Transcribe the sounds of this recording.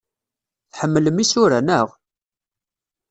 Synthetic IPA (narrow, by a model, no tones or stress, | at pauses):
θħəmːələmisʊɾænəʁ